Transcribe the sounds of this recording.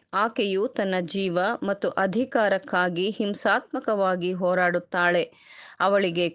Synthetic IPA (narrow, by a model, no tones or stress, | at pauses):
aːkejut̪ɐnːɐd͡ʒiːʋɐmɐt̪ːuʔɐd̪ʱikaːɾɐkːaːɡihimsaːt̪̚mɐkɐʋaːɡiɦoːɾaːɽut̪ːaːɭe̞ | ɐʋɐɭiɡe̞